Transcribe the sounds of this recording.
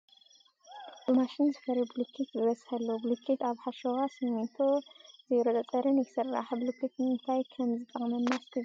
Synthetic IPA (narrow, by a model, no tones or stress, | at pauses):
maʃinzɨfɐɾɨblukʰit̪zɨβɐsʼħɐlːoblukʰːit̪aβħaʃoɣasɨmnit̪ʰozɐjɾot̪ʼɐt͡sʼɐɾɨnjsɨra̰ħblukʰːit̪nɨnt̪ʰajkʰɐmzɨt̪ʼːɐχʼmɐnːask̪ʰɨz